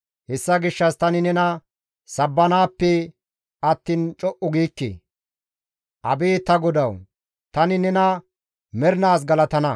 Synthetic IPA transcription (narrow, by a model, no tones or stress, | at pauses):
hɛsːɐɡɪʃːɐst̪ɐnɪnɛnɐ | sɐbːɐnaːpːɛ | ɐt̪ːiːnt͡ʃʼɔʔʊɡiːkːḛ | ʔɐ̰beːt̪ɐɡɔd̪ɐw | t̪ɐnɪnɛnɐ | mɛɾnaːs̬ɡɐlɐt̪ɐnɐ